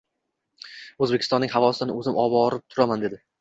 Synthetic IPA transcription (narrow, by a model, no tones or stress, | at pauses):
ɵzbekʲʰɪ̥st̪ɒnːɪŋhavɒsɪd̪nɪɵzɪmʔɒbɒɾɪp̚t̪ʰʊɾamand̪ed̪ɪ